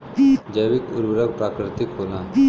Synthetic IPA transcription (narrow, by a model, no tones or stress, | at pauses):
id͡ʒəjʋɪkʊ̰ɾbɾək̚pɾaːkɾɪt̪ɪkɦoːlaː